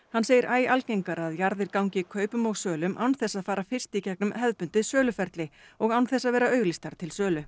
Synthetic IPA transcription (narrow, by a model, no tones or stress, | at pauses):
hanːseːjɪɾʔaːjalcejŋkaɾaðjaɾðɪɾkawɲcɪkʰœːɥpʏmɔɣsœːlʏmʔa̰wnθɛsːaðfaːɾafɪr̥st̪icɛknʏmɦɛðpʏnt̪ɪsœːlʏfɛɾt̪lɪɔɣawnθɛsːaðvɛːɾaœːɥɣlist̪aɾ̥t̪ʰɪlsœːlʏ